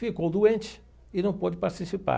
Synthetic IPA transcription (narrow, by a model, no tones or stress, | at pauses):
fikowd̪uẽnt͡ʃɪ̥ | ɪnɐ̃w̃pod͡ʒɪpaɾt͡ʃ̪isipa̰